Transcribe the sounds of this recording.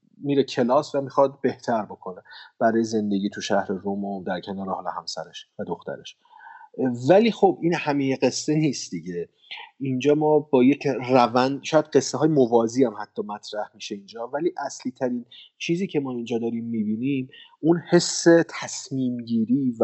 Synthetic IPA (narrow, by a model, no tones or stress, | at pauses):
miːɾekcʰe̞lɒːsvæmixɒd̪̚be̞ht̪ʰæɾbo̞kʰo̞neb̥æɾɒːjeze̞nd̪e̞ɡiːt̪ʰuʃæhɾe̞ɾomod̪æɾcʰe̞nɒːɾehɒːlehæ̰msæ̰ɾeʃvæd̪oxt̪ʰæ̰ɾe̞ʃ | væliːxobʔinhæmejeɢe̞sːe̞niːst̪d̪iɟe̞ | ind͡ʒɒːmɒːbɒːjecʰrævænd̪ʃɒːjæd̪ɢe̞sːeɦɒːjemovɒːziːæmhæt̪ʰːɒːmæt̪ʰɾæhmiːʃe̞ind͡ʒɒːvæliːʔæsliːt̪ʰæɾiːnt͡ʃʰiːziːcʰe̞mɒːind͡ʒɒːd̪ɒːɾiːmːiːbiːnimunhe̞sːe̞t̪ʰæsmiːmɟiːɾiːv